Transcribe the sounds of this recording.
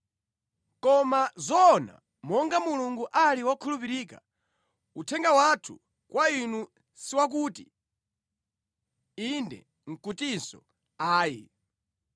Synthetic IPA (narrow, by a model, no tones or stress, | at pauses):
kɔmazɔna̰ | mɔŋɡamuluŋɡuʔaliwakʰulupiɾiːka | utʰɛŋɡawatʰṵ | kwainu | siwak̬uːtḭ | indɛ̰ | ŋ̩kutinsɔ̰ | aːji